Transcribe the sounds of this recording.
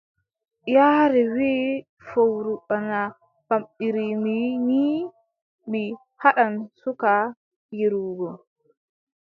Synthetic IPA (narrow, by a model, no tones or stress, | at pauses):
jaːɾɛwi | fowɾuɓana | b̥amɓiɾimini | mi | haɗansuka | jeɾuːɡɔ